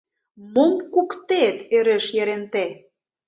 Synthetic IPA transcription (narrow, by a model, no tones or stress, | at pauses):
momkukt̪et̪eɾĕʃjeɾent̪e